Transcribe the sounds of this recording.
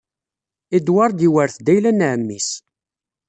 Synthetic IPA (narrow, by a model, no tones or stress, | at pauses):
id̪wɑɾˤd̪iwəɾθd̪æjlænʕəmːis